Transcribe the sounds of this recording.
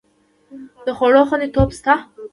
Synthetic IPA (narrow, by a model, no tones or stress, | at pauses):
d̪̥əxoɽoxənd̪et̪opst̪a